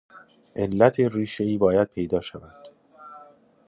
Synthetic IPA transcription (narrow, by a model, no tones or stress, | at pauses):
ʔe̞lːæt̪ʰeriːʃe̞iːbɒːjæd̪̚pʰe̞jd̪ɒːʃævænd̪̥